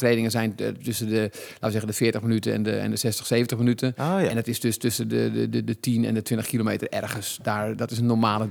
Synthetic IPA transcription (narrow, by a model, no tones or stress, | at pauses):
treːdɪŋəzɛjntøsəndəlaːtəzɛɣəndəfɪətəxminytəɛ̰ndəɛ̰ndəsɛstə̥xseːvəntəxminytʰəɛndɔtɪsdøstøsədəədədətʰinɛ̰ndətʰʋɪntəχxkilomeːtərɛ̰rɣənsdaːɹdɔtɪsənːoɹmaːlə